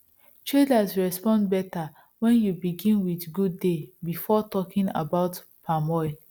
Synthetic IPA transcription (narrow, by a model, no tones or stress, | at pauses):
t͡ʃɹidasɹɛspɔ̃ndbɛta | wɛ̃njubiɡĩnwiθɡudːebifɔtɔkĩŋa̰baʊt | pʰamɔɪ